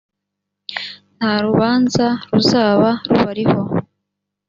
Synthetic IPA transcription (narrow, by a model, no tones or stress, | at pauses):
n̥haɾuβaːnzaɾuzaːβaɾuβaɾiho̞